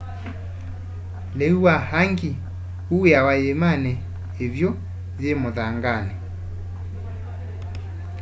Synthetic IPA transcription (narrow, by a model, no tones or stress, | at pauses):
leuahaŋɡi | ueawajemanɛ | evjo | ðjemoðaŋɡanɛ